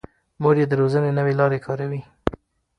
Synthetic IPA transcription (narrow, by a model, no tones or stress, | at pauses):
moɾjed̪əɾozənenəwelɑɾekʰɑɾawi